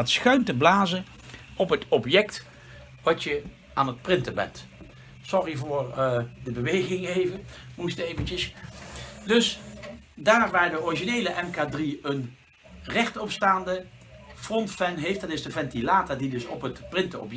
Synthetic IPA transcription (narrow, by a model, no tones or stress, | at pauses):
ɑtsxœɥntəblaːzən | ɔpɦətɔpjɛkt | ʋɑtjə | ʔaːnɦət̚prɪntəbɛ̰nt | sɔrivʊːɹdəbəʋejɣɪŋɦejvənmustejvənt͡ʃəs | dɵs | daːɹʋaːɹdəɔriʒinejləʔɛmkaːdriən | rɛχtɔpstaːndə | frɔntfɛnɦejfd̥ɑtɪzdəvɛntilaːtadidɵsɔpətprɪntəɔ̰p